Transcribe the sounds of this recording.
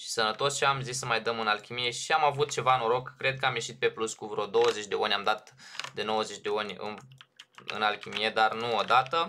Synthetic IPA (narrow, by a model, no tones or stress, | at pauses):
ʃi̥sənət̪o̞st͡ʃamzisːəmajd̪əmɨnalkʲimije̞ʃiamavut̪̚t͡ʃe̞vaɨnoɾo̞kːɾe̞d̪̚kəamje̞ʃit̪̚pe̞pluskuvɾo̞d̪o̞wəzet͡ʃʲd̪e̞onʲamd̪at̪d̪e̞no̞wəze̞t͡ʃʲd̪e̞onʲɨ̰n | ɨ̰nalkʲimijed̪arnuod̪at̪ə